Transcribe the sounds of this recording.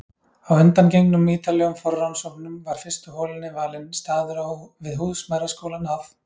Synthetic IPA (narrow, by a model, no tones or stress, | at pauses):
awʏnt̪ancejŋnʏmːiːt̪alɛɣʏmfɔrːawnsɔknʏmvaɾ̥fɪrst̪ʏɦoːlɪnɪvaːlɪnst̪aːðʏɾavɪðɦuːðsmajɾaskoːwlanaf